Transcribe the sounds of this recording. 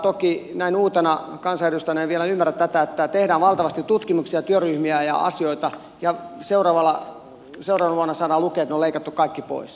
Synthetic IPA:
t̪okinæinuːt̪enɑ | kɑnsɑjeɾust̪ɑneʋielæymːæræt̪t̪æt̪æet̪ːæt̪ehdæːʋʋɑlt̪ɑʋɑst̪it̪t̪ut̪kimuksiɑt̪yøryhmiæjɑ̰ɑ̰sioit̪ɑ | jɑseurɑːʋɑlːɑ | seurɑːʋɑnʋuɑnːɑsɑːnɑlukeːt̪neoleikɑt̪ːukkɑikːipo̰is

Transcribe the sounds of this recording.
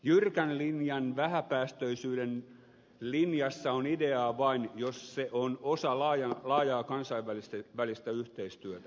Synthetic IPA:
jyrkænlinjɑnʋæhæpæːst̪øisyːden | linjɑsːɑonideɑːʋɑinjosseʔonosɑlɑːjɑlɑːjɑːkɑnsɑiʋʋælist̪eʋælist̪æyht̪eist̪yøt̪æ

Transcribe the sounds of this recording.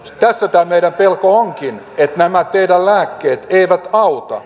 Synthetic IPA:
t̪æsːæt̪æːmeiɾæmpelkooŋkin | et̪næmæt̪eidællæːkːeːt̪eiʋæt̪ɑut̪ɑ̰

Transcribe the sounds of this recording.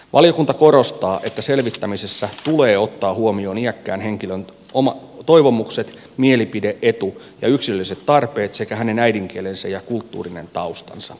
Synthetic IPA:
ʋʔɑ̰lijokunt̪ɑko̞ɾo̞st̪ɑːʔe̞t̪ːæse̞lʋit̪ːæmise̞sːæt̪uleːo̞t̪ːɑːhuomio̞ːniækːæːnɦe̞ŋkiløn | omɑt̪o̞iʋo̞mukset̪ | mielipide̞ʔet̪u | jɑ̰yksiløliset̪t̪ːɑrpeːt̪se̞kæhæne̞næjdiŋk̟ielensæ̰jɑkult̪ːṵːrinent̪ɑust̪ɑ̰nsɑ̰

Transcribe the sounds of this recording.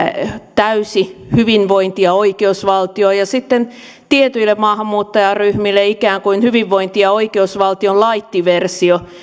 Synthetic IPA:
t̪æysihyʋinʋoint̪iɑoikeusʋɑlt̪ioːjɑsit̪ːen | t̪iet̪yilːemɑːhɑmːuːt̪ːɑjɑryhmilːeikæːŋkuinhyʋiʋʋoint̪iɑoikeusʋɑlt̪iollɑit̪ːiʋersio

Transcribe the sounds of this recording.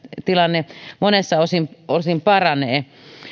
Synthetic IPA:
t̪ilɑnːemonesːɑosimolsimpɑrɑneː

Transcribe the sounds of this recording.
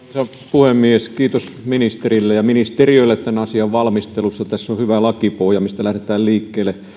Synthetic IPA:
sɑ | puhemːieskiːt̪osminist̪erilːejɑminist̪erioˑilːet̪t̪ænɑsiɑʋʋɑlmist̪elusːɑt̪æsːohyʋælɑkipohjɑmist̪ælæhɾet̪æːlliːkːeːlːˑe

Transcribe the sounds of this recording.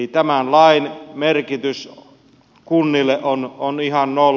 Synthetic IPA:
it̪æmænlɑinmerkit̪ys | kunːilːˑeʔʔononihɑnnol

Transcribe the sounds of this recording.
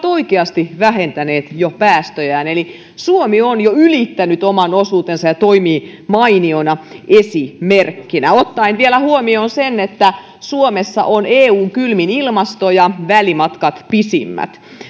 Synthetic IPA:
t̪oikeɑst̪iʋæhent̪æneːt̪jopæːst̪øjæːneli | suomionjoylit̪ːænyt̪omɑnosuːt̪ensɑjɑt̪oimiːmɑinionɑʔesimerkːinæot̪ːɑinʋielæhuomioːnsenːet̪ːæ | suomesːɑ̰ʔoneːuːŋkylminilmɑst̪ojɑʋælimɑt̪kɑt̪pisḭmːæ̰t̪

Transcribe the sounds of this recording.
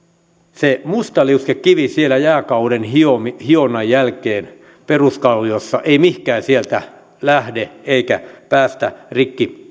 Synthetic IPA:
semust̪ɑliuskekkiʋisielæjæːkɑuɾenhiomihionɑjjælkeːn | peruskɑlːiosːɑʔeimihkæːnsielt̪æ | læhdeeikæpæːst̪ærikːi

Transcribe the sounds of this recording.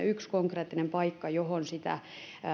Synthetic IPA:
ykskoŋkreːt̪ːinempɑikːɑjohonsit̪æ̰

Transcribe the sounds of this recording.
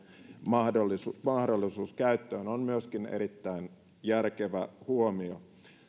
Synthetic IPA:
mɑhdolːisumɑhdolːˑisuːskæyt̪ːøːnonmyøskinḛɾit̪ːæin | jærkeʋæhuomio

